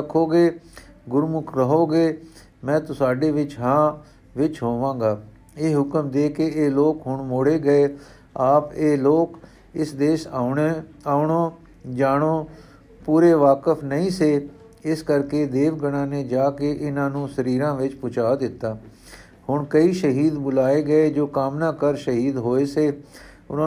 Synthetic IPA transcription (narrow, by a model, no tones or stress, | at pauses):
əkʰːoːɡeː | ɡʊɾmʊkʰɾəɦoːɡeː | mɛ̃ːt̪ʊsaːɖeːʋɪt͡ʃɦãː | ʋɪt͡ʃɦoːʋãːɡaː | eːɦʊkəmd̪eːkeeːloːkɦʊɳmoːɽeːɡəeː | aːpeːloːk | ɪsd̪eːʃ | aːʊɳoː | d͡ʒaːɽoː | puːɾeːʋaːkəfʰnəĩːseː | ɪskəɾkeːd̪eːʋɡəɽ̃ãːnẽːd͡ʒaːkeʔɪnãːnũːsəɾiːɾãːʋɪt͡ʃpʊt͡ʃaːd̪ɪt̪ːaː | hʊɳkəiːʃəɦiːd̪bʊlaːeːɡəeːd͡ʒoːkaːmnaːkəɾʃəɦiːd̪ɦoːeːseː | ʊnã